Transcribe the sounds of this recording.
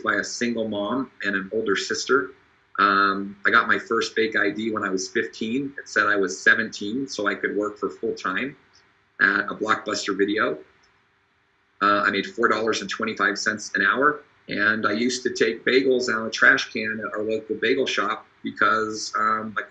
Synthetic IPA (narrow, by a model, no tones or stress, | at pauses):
b̥aɪɨsɪ̃ŋɡl̩ˠmɑ̃mɨ̃ɾ̃ɨ̃noʊlˠdə˞sɪstə˞ | ʔʌ̃maɪɡɑt̚maɪfɜ˞st̚b̥ɪɡaɪdiwə̃ñaɪwʌz̥fɪftʰĩnɨtsɛɾaɪwʌz̥sɛvɨ̃ntʰĩnsoʊaɪkɨd̚wɜ˞kfə˞fʊlˠtʰãɪ̃m | ʔɨɾəblɑk̚b̥ʌstə˞vɪɾioʊ | ʌa̰ɪmeɪd̥fɔɹdɔlˠə˞zɨ̃n̩tʰw̥ɛ̃ɾ̃ifaɪv̥sɛ̃ntsɨ̃ɾ̃aʊə˞ | ʔɨ̃naɪjʉstɨtʰeɪk̚b̥eɪɡl̩ˠzãʊ̃nətʰɹ̥æʃkʰæ̃nə˞loʊk̚ðəbeɪɡl̩ˠʃɑp̚b̥ɨkʰʌzʌ̃maɪ